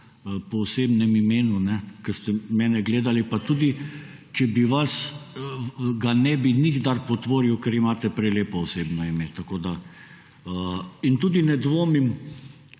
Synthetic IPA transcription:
pɔɔseːbnɛmimeːnunɛkəst̪ɛmɛːnɛɡleːd̪alipat̪uːd̪it͡ʃɛbiʋas | ɡanɛbiniɡd̪aɾpɔt̪ʋoːɾiwkɛɾimaːt̪ɛpɾɛleːpɔɔseːbnɔimet̪akoːd̪a | əint̪uːd̪inɛd̪ʋoːmim

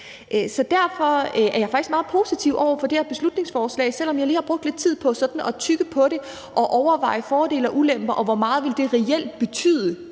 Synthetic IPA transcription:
ʔsɒ̽d̥æɐfɒ̽ʔæɐjɑ̈ɪfɑ̈ɡ̥ismɑ̈ːð̩ˠpʰo̝ːsit͡sʰiʊʔɒʊ̰ɐfɒ̽d̥e̝æɐb̥e̝slud̥ne̝ŋsfɒːslɛ̰ɪsel̰ɒmjɑ̈liːhɑ̈b̥ʁɔ̽ɡ̥̚d̥le̝d̥t͡sʰið̰ˠpʰɒ̽sɒ̽d̥n̩ɒ̽t͡sʰyɡ̥əpʰɒ̽ɾe̝ | ʔɒ̽ʔɒʊɐʋɑ̈ɪ̰əfɒːd̥e̝̰ːlɐʔulem̰b̥ɐʔɒ̽ʋɒmɑ̈ːð̞̩ˠʋe̝ld̥e̝ʁɛel̰d̥̚b̥e̝t͡sʰy̰ːð̞̰ˠə

